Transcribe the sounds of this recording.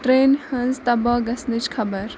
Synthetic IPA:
ʈɾeːnhənzt̪ɐbɔɡɐsnit͡ʃkʰɐbəɾ

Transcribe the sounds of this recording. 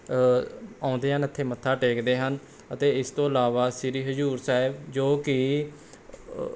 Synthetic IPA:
ãːʊnd̪eːɦənət̪ʰːeːmət̪ʰːaːʈeːkd̪eːɦən | ət̪eːɪst̪õːəlaːʋaːsɪɾiːɦəd͡ʒuːɾsaːɪbd͡ʒoːkɪ

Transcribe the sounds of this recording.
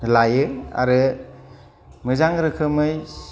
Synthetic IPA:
lajɯa̰ɾɯ | mɯzaŋɾɯkʰɯmɯjs

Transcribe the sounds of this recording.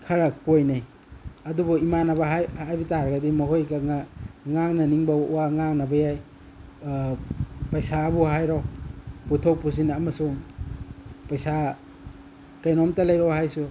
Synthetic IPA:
kʰɐɾɐkojnaj | ɐdubɔimanɐbɐɦhajbitaɾɐɡɐdimɐɦojɡɐŋaŋaŋnɐniŋbɐɔwaŋaŋnɐbɐjaj | pɐjsabuɦajɾɔwputʰowpusinɐmɐsuŋ | pɐjsa | kajnɔmtɐlɐjɾɔwhajsu

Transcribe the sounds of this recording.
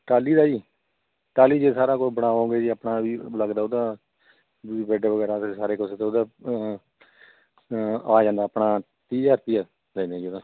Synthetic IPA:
ʈaːliːd̪aːiː | ʈaːliːd͡ʒeːsaːɾaːkobəɽaːõːɡeːd͡ʒiːapɳaːbiːləɡd̪aːod̪aː | bɛːɖaːʋəɡɛːɾaːt̪esaːɾeːkʊseːt̪ːod̪aː | aːd͡ʒãːnd̪aːpɳaː | t̪iːd͡ʒaːɾpijaː | d̪ɛ̃ːd̪aːd͡ʒiod̪aː

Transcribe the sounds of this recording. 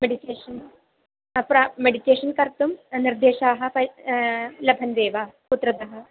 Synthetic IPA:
meɖiʈeːʃɐn | pɾameɽiʈeːʃɐnkɐɾt̪umniɾd̪eːʃaːɦɐ̆pɐ | lɐbʱɐnd̪eːʋaːput̪ɾɐd̪ɐɦɐ

